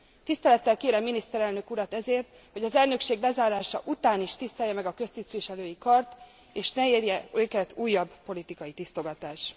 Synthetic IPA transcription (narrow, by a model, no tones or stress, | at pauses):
t̪ist̪ɛlɛt̪ːɛlkeːɾɛmːinist̪ɛɾɛlnø̞kuɾɒt̪ɛzeːrt̪ | ho̞ɟɒzɛlnø̞kʃeːɡlɛzaːɾaːʃɒ̰ʔut̪aːniʃt̪ist̪ɛjːɛmɛɡɒkø̞st̪ist̪ʋiʃɛløːjikɒrt̪ | eːʃnɛeːrjɛøːkɛt̪uːjːɒbpo̞lit̪ikɒjit̪ist̪o̞ɡɒt̪aːʃ